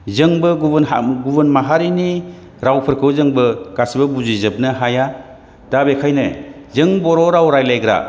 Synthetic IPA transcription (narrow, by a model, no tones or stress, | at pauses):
zɯŋbɯɡunɡubɯnmaɦaɾini | ɾawpʰɯɾkʰɯwzɯŋbɯɡ̥asibɐbuzizɯp̚nɯɦaja | dabekʰajnezɯŋbɔɾɔɾawɾajlajɡɾa̰